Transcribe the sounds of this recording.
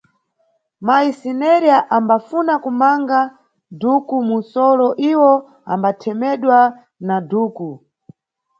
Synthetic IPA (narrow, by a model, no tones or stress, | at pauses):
maisinɛɾiaʔambafunakumaŋɡa | dukumunsɔlɔʔiwɔ | a̰mbatʰɛmɛɗwa | naduːku